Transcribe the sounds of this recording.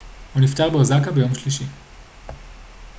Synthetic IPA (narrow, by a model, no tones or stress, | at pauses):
huniftaʁbeozakabejo̞mʃliʃi